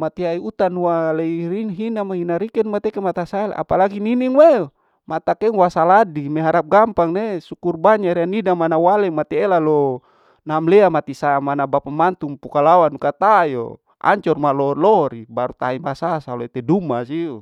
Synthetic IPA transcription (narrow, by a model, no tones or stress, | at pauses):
mat̪iaiut̪anwaleiiɦinamaɦinaɾikɛnmat̪ɛkemat̪asaɛla̰palaɡininiŋwe | mat̪akɛŋwasaladimɛɦaɾap̚ɡampaŋnesukurbaɲaɾianidamanawalɛmat̪ɛːlalɔ | namlɛamat̪isamanabapamant̪uŋpukalawanukat̪ajo̰ | a̰ɲt͡ʃɔrmalɔlɔɾibaɾut̪aimasasaloit̪ɛdumas̬iu